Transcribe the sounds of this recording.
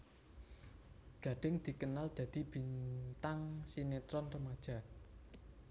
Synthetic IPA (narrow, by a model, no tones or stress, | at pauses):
ɡ̥ä̤ɖ̪̥ɪ̤ŋd̪̥i̤kənald̪̥ä̤d̪̥i̤b̥i̤nt̪aŋsinet̪ɾɔnrəmad̥ʒ̥ä̤